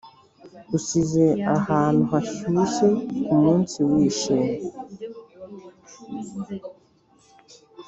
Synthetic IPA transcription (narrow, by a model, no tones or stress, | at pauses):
usizeahaːn̥uɦaʃuʃekumuːnsiwiːʃeme